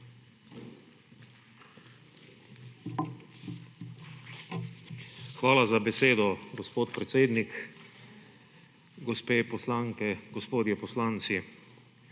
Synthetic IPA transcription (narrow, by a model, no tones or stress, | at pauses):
xʋaːlazabɛseːd̪ɔɡɔspoːt̪pɾɛt̪seːd̪nik | ɡɔspeːpɔslaŋkɛɡ̥ɔspoːd̪jɛpɔslaːnt̪si